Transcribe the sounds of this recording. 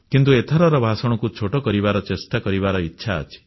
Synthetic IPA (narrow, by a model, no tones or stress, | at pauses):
kint̪uet̪ʰɔɾɔɾɔbʱasɔɽ̃ɔkut͡ʃʰoʈɔkɔɾibaɾɔt͡ʃesʈakɔɾiβaɾɔitːʃʰaɔ̰t͡ʃʰi̥